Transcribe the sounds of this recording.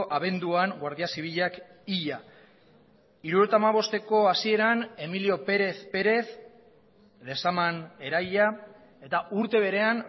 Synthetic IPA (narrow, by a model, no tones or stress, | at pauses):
ʔaβ̞e̞nd̪uaŋɡwaɾðiasiβ̞iʎak | iʎa | iɾuet̪aːmaβ̞o̞st̪e̞ko̞asie̞ɾane̞milio̞pe̞ɾe̞θpe̞ɾe̞θ | le̞samane̞ɾajʎa | e̞t̪auɾt̪e̞β̞e̞ɾe̞an